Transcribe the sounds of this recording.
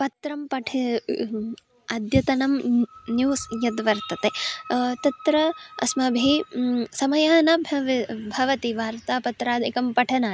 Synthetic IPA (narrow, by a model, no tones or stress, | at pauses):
pɐt̪ɾɐmpɐʈʰɐ | ɐd̪ʱjɐt̪ɐnɐmnjuːsjɐd̪ʋɐɾt̪ɐt̪et̪ɐt̪ɾɐɐ̰smɐbʱisɐmɐjaːnɐbʱʋbʱɐʋɐt̪iʋaːɾt̪aːpɐt̪ɾaːd̪ʱikɐmpɐʈʰɐnaː